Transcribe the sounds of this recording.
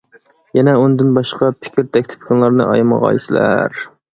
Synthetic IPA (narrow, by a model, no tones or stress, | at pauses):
jɛnɛund̪ɪnbɑʃqʰɑpʰɪ̥kʲʰiɾt̪ʰɛkʲt̪ʰɪ̥p̚kʰɑnlˠɑɾnɨʔɑ̰jmɑ̰ʁɑ̰jisɪlæ̰ɾ